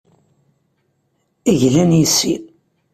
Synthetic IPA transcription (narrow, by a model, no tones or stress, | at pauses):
iʝlænjisḭ